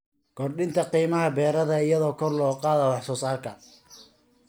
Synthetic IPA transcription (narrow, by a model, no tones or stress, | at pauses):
ɡ̥ɔrɖɪnt̪ʰɐqiːmɐɦɐbɛːɾɐðɐɪjɐðɔːkʰɔrlɔːqɑːðɐwɑħsɔːsaːrkʰɐ